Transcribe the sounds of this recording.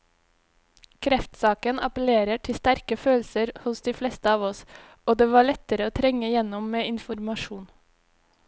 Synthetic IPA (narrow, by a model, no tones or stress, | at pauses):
kʰɾɛft̪sɑːkənɑ̰pəl̩eːɾəʈʰɪst̪æɾkəføːlsəɾhʊsd̪iːflɛst̪əɑːʋɔs | oːd̪eːʋɑːɭɛt̪əɾəoːt̪ʰɾɛŋəjɛnɔmːeːɪnfɔɾmɑʃuːn